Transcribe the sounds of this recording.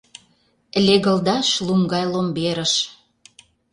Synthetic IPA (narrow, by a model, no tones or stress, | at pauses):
lʲeɣə̆ld̪ɑʃlumɡɑjlombeɾə̆ʃ